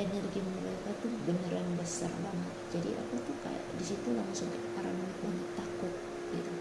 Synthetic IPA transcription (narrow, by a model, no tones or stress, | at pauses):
enərɡiməɾaikat̪ubənəɾanbəsa̰rbaŋət̪̚d͡ʒadḭʔa̰pat̪uka̰ja̰ʔdisit̪ulaŋsʊŋkapaɾamunɪt̪̚baŋəkt̪ːakʊt̪̚ | ɡ̥it̪u